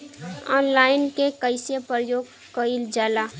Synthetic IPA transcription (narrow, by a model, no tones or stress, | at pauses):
ɔ̰ːnlaːɪnkekəɪsepɾəjoːɡ | kəild͡ʒaːla